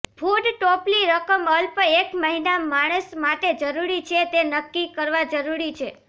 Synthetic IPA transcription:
pʰuɖʈɔpliɾəkəməlpekməɦinamaɽ̃əsmaʈed͡ʒəɾuɾit͡ʃʰet̪enəkːikəɾʋad͡ʒəɾuɾit͡ʃʰe

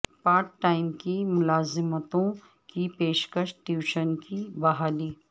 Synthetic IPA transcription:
paːɾkʈːaːɪmkimʊlaːzɪmət̪õ | kipeːʃkəʃʈjuːʃənkibɐɦaːliː

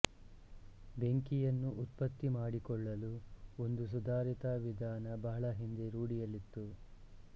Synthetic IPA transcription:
be̞ŋkijɐnːuʔːt̪pɐt̪ːimaːɽikɔɭːɐluond̪us̬ud̪aːɾit̪aːʋid̪ʱaːnɐbɐɦɐɭɐɦind̪eɾuːɽijɐlit̪ːu

